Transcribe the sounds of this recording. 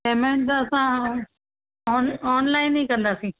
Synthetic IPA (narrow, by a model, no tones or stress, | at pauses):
eːmẽɳt̪ɐsã | ɔːnɔːnlaːɪnːĩːkə̃nd̪aːsĩː